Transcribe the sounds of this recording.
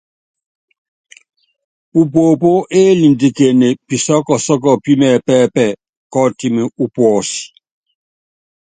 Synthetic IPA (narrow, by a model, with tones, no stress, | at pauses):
u˨p̬o˨po˦ʔe˦li˨n˨di˨ke˨ne˨pi˨sɔ˦kɔ˨sɔ˦kɔ˨pi˦mɛ˨pɛː˦˨pɛ˦˨ | kɔ˦ti˦mi˨u˦pwɔ˨si̥˨